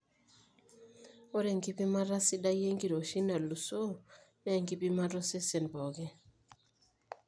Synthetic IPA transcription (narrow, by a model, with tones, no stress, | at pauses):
o˦ɾɛ˨ŋɡi˦pi˦ma˦ɾa˦si˦da˦je˦ŋɡi˨ɾo˨ʃi˦na˨lu˨so˦nɛ˦˨ŋɡi˦pi˦ma˦ɾɔ˦sɛ˦sɛ˨nbɔ˨ɡɛ˦